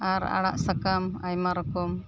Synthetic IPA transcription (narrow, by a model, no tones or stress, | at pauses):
aɾa̰ɽa̰ʔsakamajmaɾɔkɔm